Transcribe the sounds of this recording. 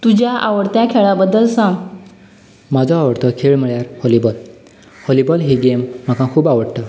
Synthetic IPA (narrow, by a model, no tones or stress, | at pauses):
t̪ud͡ʑjaʔaʋəɽt̪jakʰeɭabəd̪əlsãɡ | mad͡zɔaʋəɽt̪əkʰeɭm̤əɭjaɾhɔlibɔl | hɔlibəlɦeɡem̤ːakãkʰuːbaʋəɽt̪ə